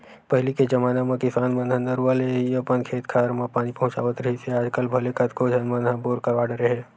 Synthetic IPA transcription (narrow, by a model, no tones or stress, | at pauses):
pɐɦɪliked͡ʒɐmaːnamẽkɪsaːnmə̃nd̪ʱə̃nd̪əɾʋaːleɦiɐpənkʰeːt̪kʰaːɾmãpaːñipɐɦʊ̃t͡ʃa̰ːʋət̪ɾɐɦiseaːd͡ʒkəlbʱɐlekɐt̪kod͡ʒʱɐnmənãboːɾkɐɾʋaːɽeɾɐɦeː